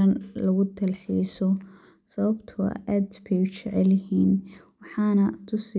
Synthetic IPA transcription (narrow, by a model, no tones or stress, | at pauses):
ɐnlɐɣʊt̪ʰɐlħḭːsɔ | sɐβɐbt̪ʰʊ̰ʔaːd̪bʰɛt͡ʃɛʕɛlɪɦiːn | wɑħɑːnɐt̪ʰʊs